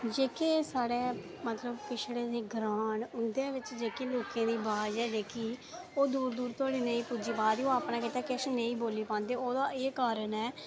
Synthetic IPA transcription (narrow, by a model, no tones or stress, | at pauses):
d͡ʒeːkeːsaːɽeː | mət̪ləbkɪt͡ʃʰɽeːd̪eːɡɾaːɳʊnd̪ẽːʋɪt͡ʃd͡ʒeːkeːloːkẽːd̪iːbaːd͡ʒɛːd͡ʒeːkiː | oːd̪uːɾd̪uːɾt̪aːɽiːnə̃ĩːpuːd͡ʒiːbaːd̪iːoːaːpnãːkɪːt̪aːkɛʃeːnə̃ĩːboːliːpãːnd̪eːoːd̪aːeːkaːɾənɛː